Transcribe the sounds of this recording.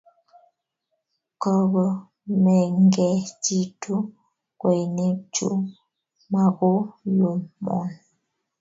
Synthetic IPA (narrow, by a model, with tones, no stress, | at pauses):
kɔ˨ɣə˨ | mɛ˨ŋ˦ɡɛ˨ti˦tʰu˦ | kwɛ˨ne˦t͡ʃṵ˦ | ma˨ɡo˦jo˨mmɔ̰˨n